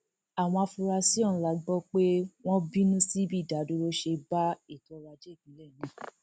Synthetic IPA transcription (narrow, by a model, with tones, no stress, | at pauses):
a˨w̃ɔ̃˧a˧fu˧ɾa˧si˦ɔ˦˨nũ˨˦la˨˦ɡ͡bɔ˦k͡pe˦w̃ɔ̃˦bi˦nũ˦si˦bi˦˨da˨˦du˦ɾo˦ʃe˧ba˦i˦˨tɔ˨˦ɾa˧d͡ʒe˦˨bĩ˨˦lɛ˦˨nĩ˨˦